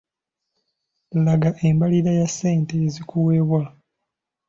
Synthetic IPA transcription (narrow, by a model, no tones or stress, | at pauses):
laɡaʔembaliɾajasːe̞ːnteːzikuweβwa